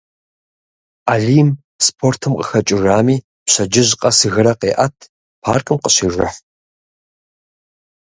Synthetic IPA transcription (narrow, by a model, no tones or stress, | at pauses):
aːɮiːm | spʰoːrtʰɨmqʼə̰xɐt͡ʃʼɪraːmiː | pɕɐd͡ʒɪʑqʼɐsɨɣɨɾɐqeːʔɐtʰ | pʰaːrkʰʼɨmqəɕiːʒɐ̰ħ